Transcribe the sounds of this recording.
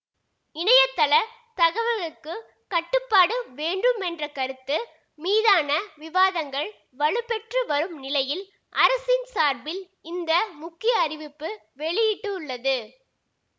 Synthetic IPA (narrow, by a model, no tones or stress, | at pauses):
ɪnɐjɐt̪ːɐlɐ | t̪ɐɣɐʋɐɾɣɐɭɯkːɯ | kɐʈːɯpːaːɽɯʋeːɳɖɯmɛndrɐkɐɾɯt̪ːɯ | miːðaːnɐʋɪʋaːðɐŋɡɐɭ | ʋɐɭɯpɛʈrɯʋɐɾɯmnɪlɐjɪl | ʔɐɾɐsɪnsaːɾbɪl | ɪnd̪ɐmʊkːɪjɐːrɪʋɪpːɯ | ʋɛɭɪjɪʈːɯʊɭːɐðɯ